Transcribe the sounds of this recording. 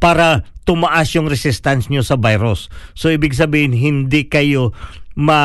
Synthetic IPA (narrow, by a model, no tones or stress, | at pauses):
paːɾɐt̪ʊmɐʔasjʊŋɾɛsɪst̪ansɲosɐbajɾosːoʔiːbɪɡs̬ɐbiːhɪnɦɪnd̪ikɐjo̞mɐ